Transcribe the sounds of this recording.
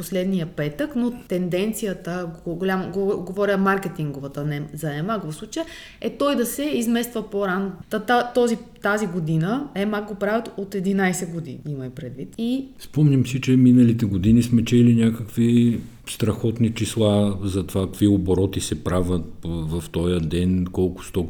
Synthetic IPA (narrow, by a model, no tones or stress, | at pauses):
poslɛd̪nijəpɛt̪əknot̪ɛnd̪ɛnt̪sijət̪əɡɡolʲamɡɡovɔɾʲəmaɾkɛt̪iŋɡovət̪ənɛzɐɛmakvɐfsˠut͡ʃəjə | ɛt̪ɔjd̪ɐsɛizmɛst̪vəpoɾanot̪t̪at̪ɔzit̪aziɡod̪inəɛmak̚ɡopɾavət̪ot̪ɛd̪inajsɛɡod̪ḭnimɐjpɾɛd̪vit̪ispɔmnʲɐmsit͡ʃɛminəlit̪ɛɡod̪inismɛt͡ʃɛlinʲjakəkvi | st̪ɾɐxɔt̪nit͡ʃislˠazɐt̪ovakvioboɾɔt̪isɛpɾavət̪̚vɐft̪ɔjəd̪ɛnkɔlˠkʊ̥st̪ɔ